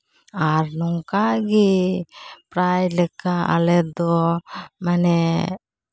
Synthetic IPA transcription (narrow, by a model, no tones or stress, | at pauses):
aɾnɔŋkaɡi | pɾajlɛkaa̰lɛd̪ɔmanɛ